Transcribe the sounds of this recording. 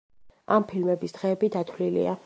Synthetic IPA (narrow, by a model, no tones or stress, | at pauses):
ampʰilmɛbisd̪̥ʁɛːbid̪at̪ʰwlilḭa